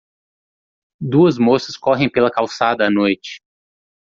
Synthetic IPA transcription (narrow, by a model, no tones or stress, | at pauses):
d̪uɐzmosɐskɔɦẽj̃pelɐkawsad̪ɐːnojt͡ʃɪ̥